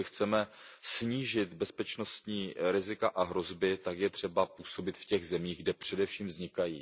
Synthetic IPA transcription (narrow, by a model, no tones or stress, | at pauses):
ɪxt͡sɛmɛsɲiːʒɪt̪bɛspɛt͡ʃno̞st̪ɲiːɾɪzɪkaʔaɦɾo̞zbɪt̪akjɛt̪r̝̥ɛbapuːso̞bɪt̪fcɛɣzɛmiːɣɡdɛpr̝̥ɛdɛfʃiːmvzɲɪkajḭː